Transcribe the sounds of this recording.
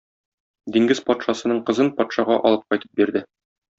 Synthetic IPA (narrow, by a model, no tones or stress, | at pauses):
d̪iŋɡɘzpɒt̪ʃɑsɤ̆nɤɴqɤ̆zɤnpɒt̪ʃɑʁɑʔɒ̰lˠɤp̚qɒjt̪ɤ̥p̚biɾd̪ɘ